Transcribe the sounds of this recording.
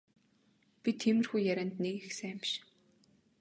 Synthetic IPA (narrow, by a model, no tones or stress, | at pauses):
pit̪ʰxemɘ̆rxujːæɾʲæːnt̪nekixseæmʃ